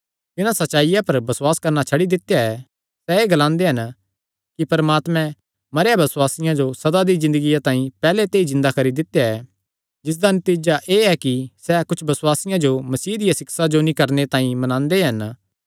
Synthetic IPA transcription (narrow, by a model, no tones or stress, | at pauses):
t̪ɪnãsɐtːt͡ʃːʃaːɪjãpɐɾbɐswaːskɐɾnat͡ʃʰɐɽid̪ɪt̪ːjaɛ | sɛeːɡɐlãːnd̪eɦɐn | kipɐɾmaːt̪mɛ̃ | mɐɾejabɐswaːsɪjãd͡ʒosɐd̪ad̪izɪ̃nd̪əɡijat̪ãːĩpɛːlet̪eːizɪ̃nd̪akɐɾid̪ɪt̪ːjaɛ | d͡ʒɪs̬d̪anɐt̪iːd͡ʒaʔeːɛkisɛkʊt͡ʃʰbɐswaːsɪjãd͡ʒomɐsiːd̪ɪjasɪksad͡ʒonĩkɐɾnet̪ãːĩmɐnãːnd̪eɦɐn